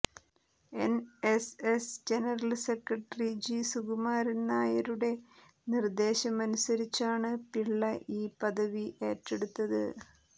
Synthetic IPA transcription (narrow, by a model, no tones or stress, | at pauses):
e̞nesesd͡ʑe̞nɐrɐlse̞krɐʈːɐrid͡ʑisuɣumaːɾinaːjɐɾuɽe̞ | nird̪e̞ːɕɐmɐnusɐɾit͡ɕːaːɳɨpiɭːɐʔiːpɐðɐʋiʔe̞ːtːe̞ɽut̪ːɐðɨ̰